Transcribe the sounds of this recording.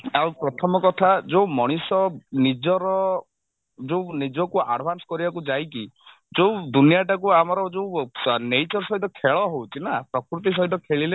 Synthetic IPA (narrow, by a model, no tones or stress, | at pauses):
awpɾɔt̪ʰɔmɔkɔt̪ʰad͡ʒowmɔɽ̃isɔnid͡ʒɔɾɔ | d͡ʒownid͡ʒɔkua̰ɖʱbʱansɔ̥kɔɾibak̬ud͡ʒajki | d͡ʒod̪unijaʈak̬uamɔɾɔd͡ʒownejt͡ʃɔɾsɔɦit̪ɔkʰeɭɔɦowt͡ʃʰinapɾɔkɾut̪̬is̬ɔɦit̪ɔkʰeɭile